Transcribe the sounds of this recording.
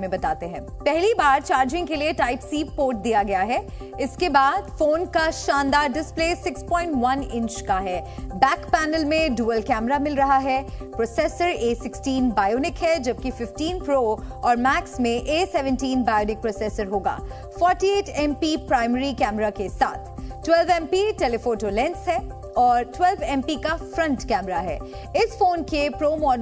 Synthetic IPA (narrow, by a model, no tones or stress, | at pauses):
mẽbɐt̪aːt̪eɦɛ̃ːpɛɦlibaːɾt͡ʃaːɾd͡ʒɪ̃ŋkelieʈaːɪpsiːpoːɾʈ̚d̪ijaɡɐjaɦɛ | ɪskebaːd̪foːnkaʃãːnd̪aːɾɖɪspleːsɪkspɔ̃ːɪ̃ɳʈʋɐnɪ̃ɲt͡ʃkaɦɛːbɛːkpɛːnəlmẽɖuːəlkɛːmɾamɪlɾɐɦaɦɛpɾoːsɛːsəɾeːsɪksʈiːnbaːjoːnɪkɦɛd͡ʒɐb̚kifɪfʈiːnpɾoːɔːɾmɛːksmẽʔeːsɛʋə̃nʈiːnbaːjoːnɪk̚pɾoːsɛːsəɾɦoːɡa̰ː | fɔːɾʈieːʈʰɛ̃mpipɾaːɪməɾikɛːmɾakesa̰ːt̪ʰʈwɛlʋɛ̃mpiʈelefoːʈoːlɛ̃nsɦɛ | ɔːɾʈwɛlʋɛ̃mpikafɾɐ̃ɳʈkɛːmɾaɦɛ̰ː | ɪsfoːnkepɾoːmɔː